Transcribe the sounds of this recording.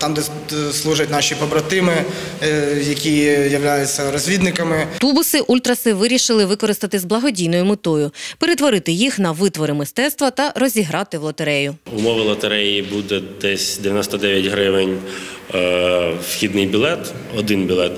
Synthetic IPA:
t̪ɑmd̪ɛ | slˠuʒɐtʲnɑʃʲipɔbɾɐt̪ɪmɪ | jɐkʲijɐʋlʲajʊt͡sʲːɐɾɔzʲʋʲid̪nɪkɐmɪt̪ubʊsɪʔulʲt̪ɾɐsɪʋɪɾʲiʃɪlˠɪʋɪkɔɾɪst̪ɐt̪ɪzblˠɐɦɔdʲijnɔjʊmɪt̪ɔjʊpeɾet̪ʋɔɾɪt̪ɪjixnɐʋɪt̪ʋɔɾɪmɪst̪ɛt̪st̪ʋɐt̪ɐɾɔzʲiɦɾɑt̪ɪwlˠɔt̪eɾɛjʊʊmɔʋɪlˠɐt̪eɾɛjibud̪ɛd̪ɛsʲd̪ʲeʋʲjɐnɔst̪ɔd̪ɛʋʲjɐtʲɦɾɪʋɪnʲ | wxʲid̪nɪjbʲilˠɛt̪ | ɔd̪ɪnbʲilˠɛt̪

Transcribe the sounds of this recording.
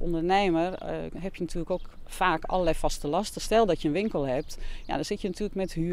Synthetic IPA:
o̰ndərneːmərɦɛpjənatʰyːləkoːkfaːkɔ̰ləlɛjfɔstəlɔstəstɛlˠdɔtjənʋɪŋkəlˠhɛp̚tja̰dɔnszɪtjənatʰyːləkmɛthy

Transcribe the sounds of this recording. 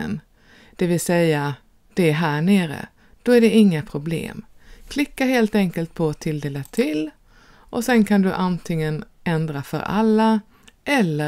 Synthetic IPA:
ə̰n | d̪̥ɛvɪlsɛjːa | d̪̥ɛːɦæːɳeːɾə̰ | d̪̥ɔæɖɛɪŋːapʰɾʊblḛːmkʰlɪkːaɦeːlt̪ɛŋkəlt̪̚pʰɔt̪ʰɪld̪eːlat̪ʰɪl | ʔɔsɛnkʰand̪ɵʔant̪ʰɪŋːənɛnd̪ɾafœ̰ɾʔa̰lːa | ʔɛlːə

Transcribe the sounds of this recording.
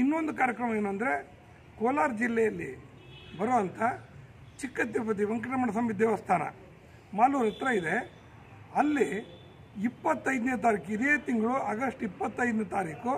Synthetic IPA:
inːo̞nd̪ukaːɾjɐkɾɐmɐeːnɐnd̪ɐɾe̞ | koːlaːɾd͡ʒilːɛjɐlːḭ | bɐɾoːɐnt̪ʰɐ | t͡ʃikːɐt̪ːjɐpɐt̪̬iʋɐŋkɐʈɐmɐɳɐs̬ɐmid̪ːeːʋɐst̪ʰaːnɐ̰ | maːluːɾɐt̪ɾɐid̪e | ɐlːi | ipːɐt̪ːɐjd̪neːt̪̬aːɾiːkid̪eːt̪iŋɡɐɭuɐɡɐʂʈipːɐt̪ːɐjd̪net̪aːɾiːku

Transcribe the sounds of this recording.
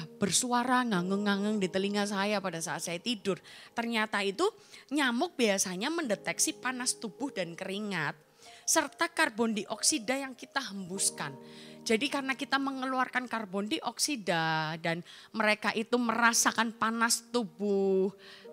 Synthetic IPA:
b̥ərsuaɾaŋaŋəŋːaŋəŋdit̪əliŋas̬ajapadasaat̪̚sajat̪idʊrt̪ərɲat̪ait̪u | ɲamʊk̚biasaɲaməndət̪ɛksipanast̪ubʊhdankəɾiŋat̪̚ | sərt̪akarbɔndiʔɔksidajaŋkit̪aɦəmbuskand͡ʒadikarənakit̪aməŋəluarkankarbɔndiʔɔksidadanməɾekaʔit̪uməɾasakanpanast̪ubʊh

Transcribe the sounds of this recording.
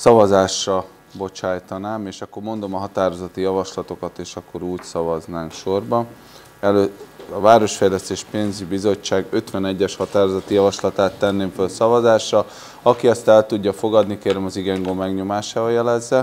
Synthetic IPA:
sɒvɒzaːʃrɒ | bo̞t͡ʃaːjt̪ɒnaːmeːʃɒkːo̞rmo̞nd̪o̞mɒɦɒt̪aːɾozɒt̪ːijɒvɒʃlɒt̪o̞kɒt̪eːʃɒkːo̞ɾuːcsɒvɒznaːmkʃo̞rbɒn | ɛløɒvaːɾo̞ʃfɛjlɛst̪eːʃpeːnzibizo̞t͡ʃt͡ʃːaːɡø̞t̪ʋɛnɛɟːɛʃhɒt̪aːɾozɒt̪ːijɒvɒʃlɒt̪aːt̪ːɛnːeːɱfølsɒvɒzaːʃrɒ | ɒkiɛst̪ɛlt̪uɟːɒfo̞ɡɒd̪nikeːɾɛmɒziɡɛŋɡomɛɡɲo̞maːʃaːvɒjɛlɛzːɛ

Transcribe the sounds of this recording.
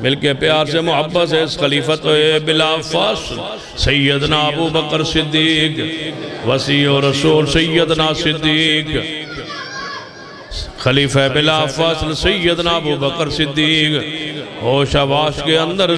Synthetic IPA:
mɪlkepɪjaːɾsemʊɦəbːəs̬esxɐliːfat̪oebɪlaːfɐsl | sɐjːəd̪naɐbuːbəkəɾsɪd̪ːiːkʋɐsiːoːɾɐsuːlsɐjːəd̪naːsɪd̪ːiːk | xɐliːfaebɪlaːfɐslsɐjːəd̪naɐbuːbəkəɾsɪd̪ːiːkɦoːʃaʋaːʃkeɐ̃nd̪əɾ

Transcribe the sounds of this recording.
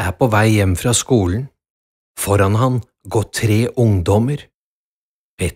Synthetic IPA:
æpʰɔːʋæɪjɛmːfɾɑːskuːln̩ | fɔɾɑnɦɑn | ɡɔt̪ʰːɾeːʔʊŋd̪ɔməɾ | pʰeː

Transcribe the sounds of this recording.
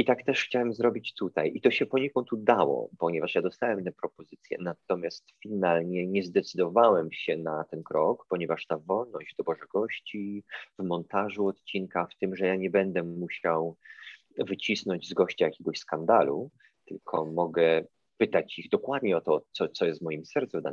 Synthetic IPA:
it̪akt̪ɛʂxt͡ɕawɛmzɾɔbʲit͡ɕt̪ut̪ajʔit̪ɔɕɛpɔɲɛkɔnt̪ud̪awɔ̰pɔɲɛvaʂjad̪ɔst̪awɛmnɛpɾɔpɔzɘt̪sʲjɛ̰nat̪ɔmʲjast̪fʲinalɲɛɲɛzd̪ɛt̪sɘd̪ɔvawɛmɕɛnat̪ɛnkɾʔɔkpɔɲɛvaʂt̪avɔlnɔʑd͡ʑd̪ɔbɔʐɛɡɔɕt͡ɕivmɔnt̪aʐuɔt̪t͡ɕinkaft̪ɘmʐɛjaɲɛbɛnd̪ɛmuɕaw | vɘt͡ɕisnɔɲd͡ʑzɡɔɕt͡ɕajakʲɛɡɔɕskand̪alu | t̪ɘlkʰɔmɔɡɛ | pɘt̪at͡ɕiɣd̪ɔkwad̪ɲɛɔt̪ɔt̪sɔt̪sɔjɛst̪vmɔjimsɛɾt̪suvd̪a̰n

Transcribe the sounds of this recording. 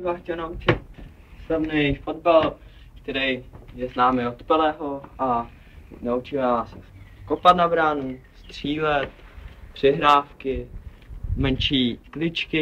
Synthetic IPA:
vaːxcɛlnaut͡ʃɪt̪̚ | stavnɛjfod̪bal | kt̪ɛɾɛjjɛznaːmɪot̪pɛlɛːɦoʔa | naut͡ʃɪvɛaːskopat̪nabɾaːnust̪r̝̥iːlɛt̪̚pr̝̥ɪɦɾaːfkɪ | mɛnʃiːklɪt͡ʃkɪ

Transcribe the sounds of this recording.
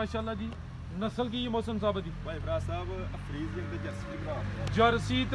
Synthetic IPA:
aːʃaːlːaːd̪iː | nəsəlk̬iːmoːsəmsaːbad̪iːbaːibɾaːsaːbɐkʰɾiːzjɐŋd̪ed͡ʒɐɾsitiɡɾaːd͡ʒəɾsiːt̪

